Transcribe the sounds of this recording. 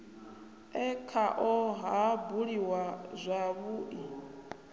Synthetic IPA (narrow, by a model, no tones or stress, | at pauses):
ɛkʰaʔɔɦabuɺiwazʷaβuʔi